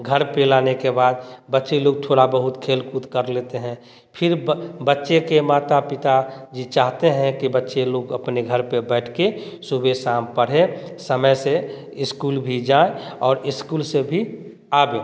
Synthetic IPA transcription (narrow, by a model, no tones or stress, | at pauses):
ɡʱəɾpelaːnekebaːd̪bətːʃeloːɡ̚t̪ʰoːɽabəɦʊt̪kʰeːlkut̪kəɾleːt̪eɦɛ̃ | pʰɪɾbətːʃekemaːt̪apɪt̪ad͡ʒit͡ʃaːɦt̪eɦɛ̃kibətːʃeloːɡəpneɡʱəɾpebɛːʈʰke | subʱesampəɽ̤esəməjse | ɪskuːlbʱid͡ʒaːẽɔːɾɪskuːlsebʱi | aːbẽ